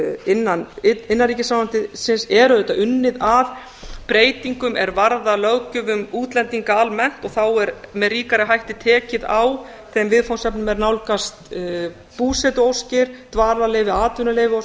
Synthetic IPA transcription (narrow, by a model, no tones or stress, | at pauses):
ɪnːanɪɪnːaɾriːcɪsaːnam̥t̪ɪsɪnsɛɾʏðɛt̪aʔʏnːɪðað | pɾeːjt̪iŋkʏmɛɾvaɾðalœwcʏvʏmuːt̪lɛnt̪iŋkaalmɛn̥t̪ɔɣθawɛɾmɛðriːkaɾɪɦajht̪ɪt̪ʰɛːcɪðaw | θɛmvɪðfawnsɛpnʏmɛɾnawlkast̪ | puːsɛt̪ʏowscɪɾ̥t̪vaːɾlaleːjvɪaːt̪ʏnʏleːjvɪo